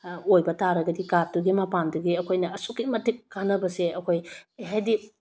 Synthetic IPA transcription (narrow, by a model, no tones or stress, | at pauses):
ojbɐtaɾɐɡɐdikat̚duɡimapanduɡiɐkʰojnɐɐsukːimɐtikːanɐbɐseʔɐkʰojɦajdi